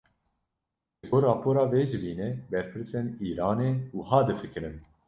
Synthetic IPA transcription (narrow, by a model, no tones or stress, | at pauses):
ɨɡoːɾɑːpʰoːɾɑːveːʒɨviːnɛbɛɾpʰɨɾsɛniːɾɑːneːuːɦɑːd̪ɨfɨkɨɾɨn